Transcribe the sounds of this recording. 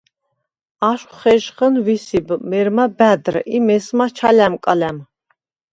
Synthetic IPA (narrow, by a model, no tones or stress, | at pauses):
aʃχχɛʒχənwisibmɛɾmabæd̪rimɛsmat͡ʃʰalæmkʼalæm